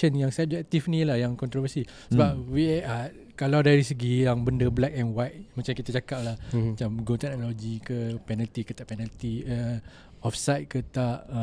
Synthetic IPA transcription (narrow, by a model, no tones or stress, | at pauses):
ənjaŋsəb̚d͡ʒɛk̚t̪ifnilahjaŋkɔnt̪ɾovəsi | səbap̚wiʔa | kalawdaɾisəɡijaŋbəndəblɛk̚ɛnwajt̪̚mãt͡ʃamkit̪ad͡ʒakaʔ̚lahmat͡ʃamɡot̪ɛk̚noloɡikəpɛnalt̪ikət̪aʔpɛnalt̪iə | ɔfsajt̪̚kət̪aʔ